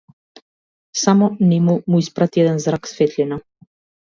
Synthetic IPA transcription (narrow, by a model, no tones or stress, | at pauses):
samɔnimumuispɾat̪iɛd̪ɛnzɾaksfɛt̪ʎʲɛna